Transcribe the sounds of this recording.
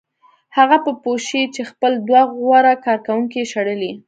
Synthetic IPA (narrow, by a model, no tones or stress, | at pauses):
haɣapəpoʃit͡ʃexpəld̪waɣɣwaɾakɑɾkawuŋkeʃaɽəli